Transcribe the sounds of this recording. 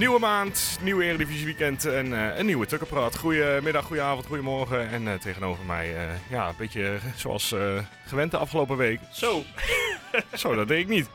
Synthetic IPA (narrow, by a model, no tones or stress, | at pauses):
nywəmaːntnywəɪːrədivisiʋikɛntənənːiwətøkəpraːtχrujəmɪdaxːujəaːvntχujəmɔrɣəɛntʰeɣənoːvərmɛ̰jəjaəbɪtjəso̰a̰lˠsə | χəʋɛnt̚dəɑfχəloːpəʋejkso | soːdɔt̚dɛŋɪknit